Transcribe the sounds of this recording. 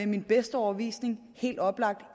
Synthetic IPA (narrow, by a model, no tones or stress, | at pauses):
eminb̥esd̥əɒʊɐʋḭːsne̝ŋ | he̝̰ːld̥ɒ̽b̥lɑ̈ɡ̥̚d̥